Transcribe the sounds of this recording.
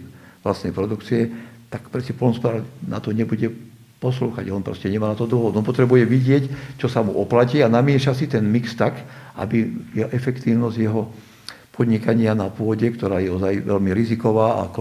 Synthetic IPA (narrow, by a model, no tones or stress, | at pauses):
last̪nɛjpɾɔd̪ukt͡siɛt̪akpɾɛscɛpɔlnɔspɔd̪aːɾna̰t̪ɔɲɛbuɟɛ | pɔsluːxa̰ɟɔnpɾɔ̰scɛɲɛmaːnat̪ɔd̪ɔɦɔd̪ɔnpɔt̪ɾɛbujɛʋiɟɪɛct͡ʃɔsamuʔɔplaciːanamɪɛʃasit̪ɛnmikst̪akʔa̰bijɛʔɛfɛkt̪iːʊnɔzɟjɛɦɔ | pʰɔd̪ɲikaɲɪanapʊɔɟɛkt̪ɔɾaːjɛɔzajʋɛʎmiɾizikɔʋaːa̰k